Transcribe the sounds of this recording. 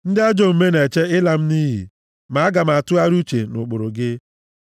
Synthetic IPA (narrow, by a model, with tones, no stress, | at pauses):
n̩˦dɪ˦a˦d͡ʒo˨m̩˨me˦ne˨t͡ʃe˦ɪ˦la˨m̩˦niː˦ɦḭ˨ | ma˨˦ɡa˨m̩˨a˨tʊ˦a˦ɾu˦t͡ʃe˨nʊ˨k͡pʊ˨ɾʊ˨ɡɪ˦